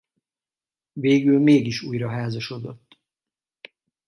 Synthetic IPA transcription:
veːɡylmeːɡiʃuːjɾɒɦaːzɒʃo̞d̪o̞t̪ː

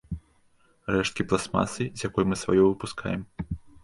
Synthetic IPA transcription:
rɛʂt̪̚kʲiplˠasma̰sɨzʲjakɔjmɨsva̰jɔvɨpuskʰa̰jɛm

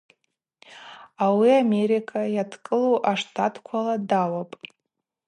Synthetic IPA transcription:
awiame̞ɾikʰajatʰkʼɨloʔaʂtʰatʰkʷʰaladawapʼ

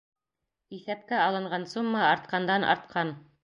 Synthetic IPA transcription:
iθæpkæɑlˠɤ̆ɴɢɑnsumːɑɑɾt̪̚qɑnd̪ɑnʔɑ̰ɾt̪̚qʰɑn

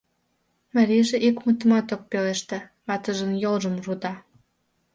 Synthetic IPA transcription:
maɾiʒeʔikmut̪ə̆mɑt̪ok̚peleʃt̪ĕ | ɑt̪əʒənjolʒə̆mrud̪ɑ

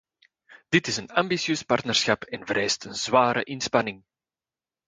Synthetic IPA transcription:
d̥ɪtɪsənɑmbisjøːspɑrtnərsxɑpʰɛnvəɾɛːstʰənzwaːɾə̰ʔɪnspɑnɪŋ

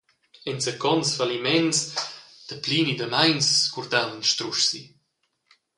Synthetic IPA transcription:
ɛnsəkɔnsfalimɛnsd̪̥əpliːnid̪əmajnskuɾd̪awənʃt̪ɾuʃsi

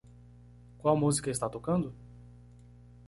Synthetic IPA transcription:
kwawmuzikɐist̪at̪okɐ̃nd̪ʊ

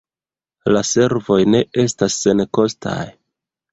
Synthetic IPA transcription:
lase̞ɾvo̞jne̞ʔe̞stasːe̞nko̞stʰa̰j

